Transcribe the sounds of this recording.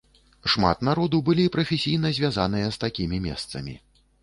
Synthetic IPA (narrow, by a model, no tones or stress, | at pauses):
ʂma̰t̪naɾɔd̪ubɨlʲipɾɐfʲesʲijnɐzʲvʲazan̪ɨjɐst̪akʲimʲimʲɛ̰st̪sɐmʲḭ